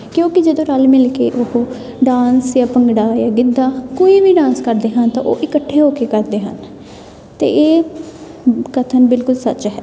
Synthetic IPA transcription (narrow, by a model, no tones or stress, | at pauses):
kjõːkɪd͡ʒəd̪õːɾəlmɪlkḛːʔʊh | ɖãːnsjãːpəŋɡɽaːjãːɡɪd̪ːaːkoːiːʋiːɖãːnskəɾd̪eːɦənt̪ã̰ːʔoːʔɪkəʈʰːeːɦoːkeːkəɾd̪eːɦə̰n | t̪ḛːʔeː | kət̪ʰənbɪlkʊlsət͡ʃɦɛː